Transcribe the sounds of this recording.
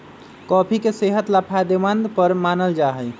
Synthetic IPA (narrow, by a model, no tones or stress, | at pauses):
kɔːpʰikeseɦət̪lapʰad̪emənd̪pəɾmanəld͡ʒaɦəj